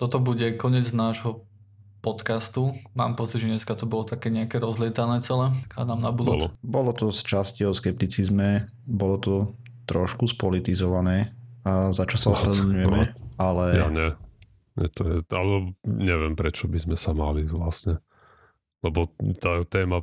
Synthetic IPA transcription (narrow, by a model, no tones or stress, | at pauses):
t̪ɔt̪ɔbuɟɛkɔɲɪɛd͡znaːʒɦɔ | pɔt̪kast̪uma̰ːmpɔt͡siɟʒɛɲɛskat̪ɔbɔlɔt̪akɛːɲɛakɛɾɔzlɪɛt̪anɛːt͡sɛlɛka̰ːd̪aːmnabud̪ulbɔlɔt̪ɔst͡ʃasciɔskɛp̚t̪it͡sizmɛ | bɔlɔt̪ɔ | t̪ɾɔʃkuspɔlit̪izɔʋanɛːzat͡ʃɔsaɔsɾɛɲujɛmɛalɛja̰ɲɛ | ɲɛ̰t̪ɔjɛalɛɔɲɛʋɪɛmpɾɛt͡ʃɔbizmɛsamaliʋlasɲɛ | lɛbɔt̪aːt̪ɛːma